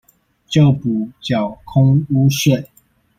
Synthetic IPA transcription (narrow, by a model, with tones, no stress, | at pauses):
t͡ɕjo˥˨ʊpu˨˩t͡ɕjɑ˨˩ʊkʰʊ˦ŋu˦ɕɛ˥˨n